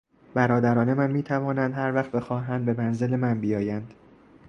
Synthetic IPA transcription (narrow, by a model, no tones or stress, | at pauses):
b̥æɾɒːd̪æɾɒːne̞mænmiːt̪ʰævɒːnænd̪hæɾvæχt̪be̞xɒːɦænd̪̚be̞mænze̞le̞mænbijɒːjænd̪̥